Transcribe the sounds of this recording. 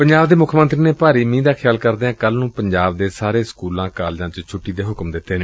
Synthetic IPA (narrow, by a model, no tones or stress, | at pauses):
pəɲd͡ʒaːbd̪eːmʊkʰmə̃nt̪ɾiːneːpaːɾiːmĩːd̪aːkʰjaːlkəɾd̪eːãːkəlnũːpəɲd͡ʒaːbd̪eːsaːɾeːskuːlãːkaːld͡ʒãːt͡ʃt͡ʃʰʊʈːiːd̪eːɦʊkmd̪ɪt̪ʰːeːneː